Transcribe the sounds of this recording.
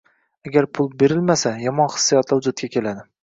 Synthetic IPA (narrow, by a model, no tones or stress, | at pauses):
aɡʲaɾpʰʊlˠbe̞ɾɪlmasajɒmɒnχɨ̥sːijɒt̪ʰlɪhʊd͡ʒʊt̪̚kʲakʲʰe̞lad̪ɪ